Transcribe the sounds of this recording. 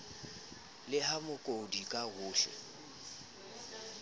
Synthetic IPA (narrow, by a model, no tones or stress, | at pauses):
lɪɦamʊkʼodikʼaɣʊːɬɛ̰